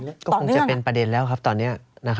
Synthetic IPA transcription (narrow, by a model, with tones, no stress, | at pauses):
kɔː˥˩ko˧ŋt͡ɕa˨˩pe˧npɾa˧de˧nlɛː˦˥wkʰa˦˥p̚t̪ɔː˧nːi˦˥ɐna˦˥kʰ